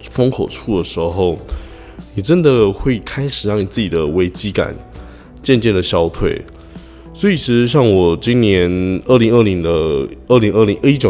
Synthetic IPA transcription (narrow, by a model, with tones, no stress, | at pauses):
fə˥ŋkʰo˨˩ʊʈ͡ʂʰu˥˩d̪ə˩ʂɻ̩˧˥xo˥˩ʊ | ni˨˩ʈ͡ʂə˦nd̪ə˨xwe˥˩ɪkʰa˥ɪʂɻ̩˨˩ɻɑ˥˩ŋni˨˩t͡sɹ̩˥˩t͡ɕi˨˩d̪ə˦we˧˥ɪt͡ɕi˥ka̰˨˩˦n | t͡ɕjɛ˥˧nt͡ɕjɛ˥˩nd̪ə˩ɕjɑ˥ʊt̪ʰwḛ˥˩ɪ | swɔ˧˥i˨˩ʂɻ̩˧˩ʂ̩˥˧ɕ̬jɑ˥˩ŋwɔ˨˩t͡ɕi˥ŋnjɛ˧˥nə˥˩li˧˥ŋə˥˩li˧˥ŋd̪ə˧ə˥˩li˧˥ŋə˥˩li˧˥ŋ˥i˥t͡ɕjo˨˩